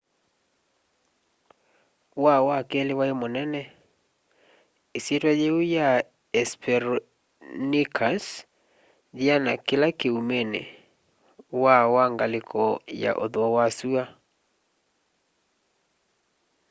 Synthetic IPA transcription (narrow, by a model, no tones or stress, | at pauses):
wawakelewaemonɛnɛ | esjetwajeuja | ɛspʰɛɾ | nikʰas | ðianakelakeumenḛ | wawaŋɡalekʰɔja̰ʔo̰ðoɔwasua